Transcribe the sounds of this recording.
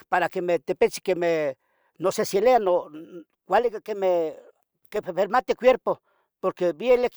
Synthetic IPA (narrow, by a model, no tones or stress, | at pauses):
paɾakemeht̪epet͡ʃi̥kemeh | noseseleano | kʷalikakemeh | kepepeɾmat̪ekʷweɾpo | poɾkebjelek